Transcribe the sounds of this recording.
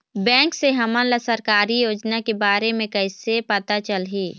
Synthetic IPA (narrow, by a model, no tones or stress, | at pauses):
bɛ̃ːŋkseɦɐmənləsəɾkaːɾijoːd͡ʒnakebaːɾemẽkɐɪsepət̪at͡ʃəlɦiː